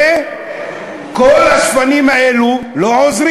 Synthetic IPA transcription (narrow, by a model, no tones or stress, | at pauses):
e | kolhasfanimaeluloʕozɾ